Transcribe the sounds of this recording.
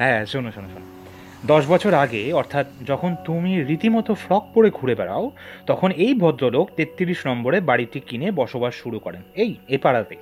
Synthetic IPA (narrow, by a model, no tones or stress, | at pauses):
ɦɛ̃ʃonoʃonoʃono | d̪ɔʃbɔt͡ɕʰoɾaɡeɔɾt̪ʰat̪d͡ʑɔkʰont̪umiɾit̪imɔt̪ofɾɔk̚poɽeɡʱuɽebɛɽa̰ot̪ɔkʰonejbʱɔd̪ɾoloɡt̪et̪ːiɾiʃnɔmboɾebaɽiʈikinebɔʃobaʃʃuɾukɔɾenejepaɽat̪e